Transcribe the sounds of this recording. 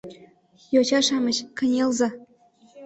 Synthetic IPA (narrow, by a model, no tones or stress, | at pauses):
jot͡ɕɑʂɑmɤ̆ɕkɤ̆nʲelˠzɑ